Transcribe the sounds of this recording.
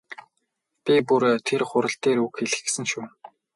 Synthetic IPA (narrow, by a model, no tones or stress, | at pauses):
pʲipuɾt̪ʰerχʊɾə̆ɬt̪eːɾukxeɮɘ̆xsɘ̆nʃuː